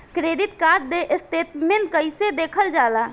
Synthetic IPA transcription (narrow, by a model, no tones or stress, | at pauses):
kɾeːd̪ɪt̪kaːɾd̪eʔst̪eːt̪mẽnkəised̪eːkʰəld͡ʒaːlaː